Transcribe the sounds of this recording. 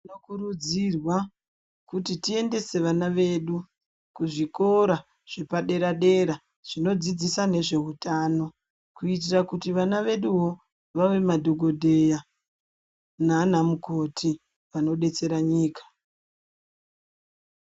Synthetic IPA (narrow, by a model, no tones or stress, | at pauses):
inokurud͡zirwa | kutitie̞nde̞se̞ʋanaʋe̞ːɗu | kuʐiko̞ɾa | ʐ̥epaɗe̞ɾaɗe̞ɾa | ʐ̥ino̞d͡zid͡zisane̞ʐe̞ɦutaːno̞ | kuit̬irakutiʋanaʋe̞ɗuɦo̞ | ʋaʋe̞madʱoɡʱo̞dʱe̞ja | nanamuko̞tʰi | ʋano̞ɗe̞t͡se̞ɾaɲiːkḁ